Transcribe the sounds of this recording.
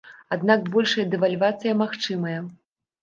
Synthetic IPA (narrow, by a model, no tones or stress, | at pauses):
ad̪nakbɔlʲʂɐjɐd̪ɛvalʲvat̪sɨjɐmaxt͡ʂɨmɐjɐ